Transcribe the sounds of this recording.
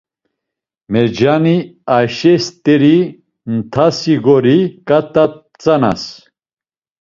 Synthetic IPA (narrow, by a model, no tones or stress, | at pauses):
mɛɾd͡ʒaniaʃɛst̪ʼɛɾi | nt̪ʰasiɡɔɾikʼat̪ʼa | t͡sʼana̰s